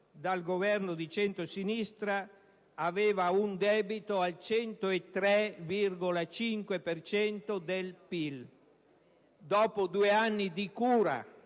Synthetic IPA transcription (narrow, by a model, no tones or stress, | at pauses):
d̪alɡovɛrnod̪it͡ʃɛnt̪ɾosinist̪ɾaː | veːvaund̪ɛːbit̪oalt͡ʃɛnt̪oet̪ɾɛvirɡolat͡ʃiŋkwepert͡ʃɛnt̪od̪elpil | d̪ɔːpod̪ueanːid̪ikuːɾa̰